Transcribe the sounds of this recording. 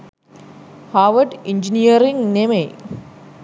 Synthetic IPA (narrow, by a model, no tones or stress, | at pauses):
haʋɐɖiɲd͡ʑinijɐɾiŋɡneme